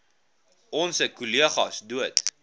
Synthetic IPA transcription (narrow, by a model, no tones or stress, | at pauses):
ɔnsəkuliəχɐsduət